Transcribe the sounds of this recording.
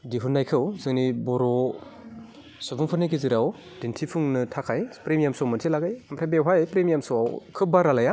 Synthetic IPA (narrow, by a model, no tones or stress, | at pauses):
diɦunːajkʰɯwzɯŋnibɔɾɔ | sɔbɯŋpʰɯniɡizɯɾaw | d̥intʰipʰuŋnɯtʰakʰajpɾemjamsɔmɯntʰilaɡajmtʰajbewɦajpɾemjamsɔawkʰɯbaɾalaja